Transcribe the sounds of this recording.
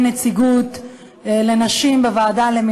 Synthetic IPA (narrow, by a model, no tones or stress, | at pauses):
net͡siɡut̪ | le̞naʃimbevaːdalemi